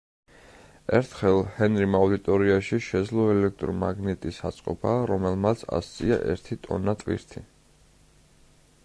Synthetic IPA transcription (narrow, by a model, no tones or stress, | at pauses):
ɛɾt̪ʰχɛlˠhɛnɾimaud̪it̪ʼɔɾiaʃiʃɛd̪zlˠɔɛlɛk̚ʰt̪ʼɾɔmaɡnɛt̪ʼisat̪sʼqʼɔ̰bʰaɾɔmɛlˠmat̪sʰa̰st̪sʼia̰ʔɛ̰ɾt̪ʰit̪ʼɔ̰nat̪ʼvḭɾt̪ʰi